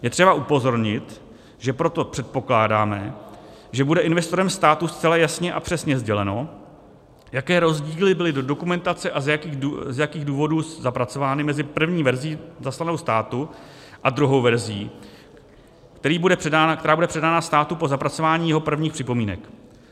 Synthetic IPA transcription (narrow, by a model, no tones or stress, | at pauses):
jɛt̪r̝̥ɛbaʔupo̞zo̞ɾɲɪt̪ | ʒɛpɾo̞t̪o̞pr̝̥ɛt̪̚po̞klaːdaːmɛ | ʒɛbudɛʔɪnvɛst̪o̞ɾɛmst̪aːt̪ust͡sɛlajasɲɛʔapr̥ɛsɲɛzɟɛlɛno̞ | jakɛːɾo̞zɟiːlɪbɪlɪdodo̞kumɛnt̪at͡sɛʔazjakiuzjakiːɣduːvo̞duːszapɾat͡so̞vaːnɪmɛzɪpr̩vɲiːvɛɾzɪiːzaslano̞wst̪aːt̪u | ʔad̪ɾuɦo̞wvɛɾzɪiː | kt̪ɛɾiːbudɛrɛakt̪ɛɾaːbudɛpr̝̥ɛdaːnast̪aːt̪upo̞zapɾat͡so̞vaːɲiːjɛɦo̞pr̩vɲiːxpr̥ɪpo̞miːnɛ̰k